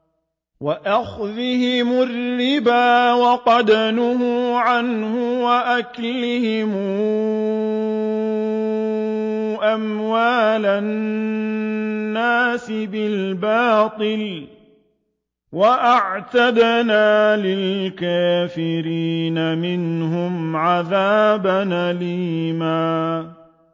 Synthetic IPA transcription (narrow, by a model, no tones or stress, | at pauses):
waʔaxðɪhɪmʊrːɪbaːwɑqɑd̪anʊɦʊʕanhʊwaʔaklɪhɪmu | ʔamwaːla | nːaːsɪbɪlbɑːt̪ˤɨl | waʔaʕt̪ad̪naːlɪlkaːfɪɾiːnamɪnhʊmʕaðaːbanʔalimaː